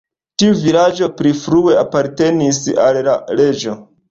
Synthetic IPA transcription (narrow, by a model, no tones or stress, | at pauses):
tiuvilad͡ʒo̞pɾifɾue̞apaɾte̞nisa̰lːale̞d͡ʒo̞